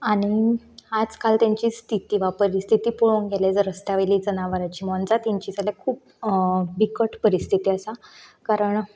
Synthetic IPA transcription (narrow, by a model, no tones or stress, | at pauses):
aɽ̃i | ad͡zkalt̪jaɲt͡ɕiːst̪ʰit̪iːʋapəɾist̪ʰit̪iːpuɭonɡʱeljat͡sɾəst̪aʋeliːd͡zənaʋəɾat͡ɕiːmɔnd͡zat̪iɲt͡ɕiːt͡saljakʰuːp̚ | bikəʈpəɾist̪ʰit̪iːəsakaɾəɳ